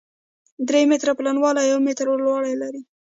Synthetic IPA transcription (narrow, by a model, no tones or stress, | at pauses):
d̪ɾemɪt̪ɾaplanwɑlajawmɪt̪ɾlwɑɽajlaɾi